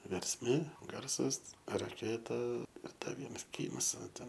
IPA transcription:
ʋʲɛrʲsʲˈmʲeː ˈɡɐrsɐs rɐˈkʲeːtɐ ɪr ˈdɐ ˈʋʲiɛnɐs ˈkʲiːnɐs ˈʋɐ ˈtʲɛn

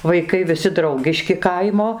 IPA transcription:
ʋɐɪˈkɐɪ ʋʲɪˈsʲɪ ˈdrɐʊɡʲɪʃʲkʲɪ ˈkɐɪmoː

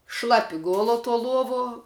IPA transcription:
ˈʃlˠɑːpʲɪ ˈɡoːlˠoː tuɔ ˈlˠuɔʋoː

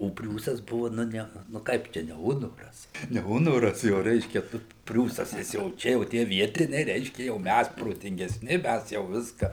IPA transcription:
oː ˈpʲrʲuːsɐs ˈbʊʋɐ ˈnʊ ˈnʲɛ nʊ ˈkɐɪp ˈt͡ʃʲɛ nʲɛ ˈʊnoːrɐs nʲɛ ˈʊnoːrɐs jɛʊ ˈrʲɛɪʃʲkʲɛ ˈtʊ pʲrʲuːsɐs nʲɛs jɛʊ ˈt͡ʃʲɛ oː ˈtʲiɛ ˈʋʲiɛtʲɪnʲɛɪ ˈrʲɛɪʃʲkʲɛ ˈjɛʊ ˈmʲæs proːtʲɪŋʲɡʲɛsʲˈnʲɪ ˈmʲæs jɛʊ ˈʋʲɪskɐ

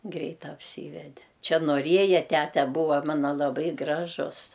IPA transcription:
ˈɡrʲɛɪt ɐpʲˈsʲiːʋʲɛdʲɛ ˈt͡ʃʲɛ noːˈrʲiɛjɛ ˈtʲætʲɛ ˈbuːʋɐ ˈmɑːnɐ lˠɐˈbɐɪ ˈɡrɑːʒʊs

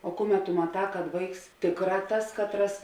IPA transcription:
oː ˈkʊˌmʲɛt tʊ mɐˈtɑː kɐt ˈʋɐɪks ˈtʲeːkˌrɑː ˈtɐs kɐtˈrɐs

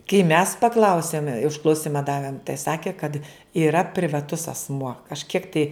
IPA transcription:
kɐɪ mʲɛs pɐˈklˠɐʊsʲeːm ʊʃklˠɐʊˈsʲɪmɐ ˈdɑːʋʲeːm tɐɪ ˈsɑːkʲeː kɐt iːˈrɐ pʲrʲɪʋɐˈtʊs ɐsˈmuɔ kɐʃʲˈkʲiɛk tɐɪ

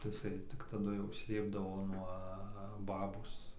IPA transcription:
tɐɪ ɪˈsɐɪ tʲɪk ˈtɑːdʊ jɛʊ ˈsʲlʲeːbdɐʋoː nuɔ ˈbɑːboːs

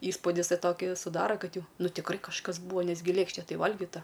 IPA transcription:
ˈiːspuːdʲɪs ˈtɐɪ ˈtoːkʲiː sʊˈdɑːrɐ ˈkɐt ˈjɛʊ ˈnʊ tʲɪkˈrɐɪ kɐʃˈkɐs ˈbuːɐ ˈnʲɛs ɡʲɪ ˈlʲeːkʃʲtʲɛ ˈtɐɪ ˈʋɐlʲɡʲɪtɐ

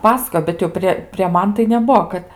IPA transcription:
ˈpɑːsɐkoːjoː bʲɛt jɛʊ ˈpʲrʲeː pʲrʲeː ˈmɐn tɐɪ nʲɛˈbuɔ ˈkɐt

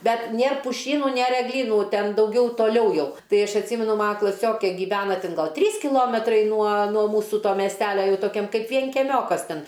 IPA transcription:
ˈbʲɛt ˈnʲeːr pʊˈʃʲiːnʊ ˈnʲeːr ɛɡˈlʲiːnuː ˈtʲɛn dɐʊˈɡʲɛʊ toːˈlʲɛʊ ˈjɛʊ ˈtɐɪ ˈɐʃ ɐtʲˈsʲiːmʲɛnʊ ˈmɑːnɐ klˠɐˈsʲoːkʲeː ɡʲiːˈʋʲæːnɐ ˈtʲɪn ˈɡɐlˠ ˈtʲrʲiːs kʲɪˈlˠoːmʲɛtrɐɪ nuɔ nuɔ ˈmuːsʊ ˈtoː mʲiɛsʲˈtʲæːlʲɛ ˈjɛʊ toːˈkʲɛm ˈkɐɪp ʋʲiɛŋʲkʲɛˈmʲoːkɐs ˈtʲɛn

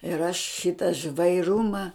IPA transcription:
ɪr ɐʃ ˈʃʲɪtɐ ʒʋɐɪˈrʊmɐ

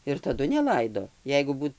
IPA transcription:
ɪr tɐˈdʊ nʲɛˈlˠɐɪdoː ˈjɛɪɡʊ ˈbuːt

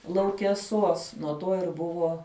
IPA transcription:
lˠɐʊkʲɛˈsuɔs nuɔ ˈtoː ɪr ˈbʊʋoː

